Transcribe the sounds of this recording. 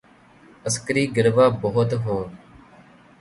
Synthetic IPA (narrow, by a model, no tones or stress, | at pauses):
əskəɾiːɡɪɾʋaːboɦʊt̪ɦõː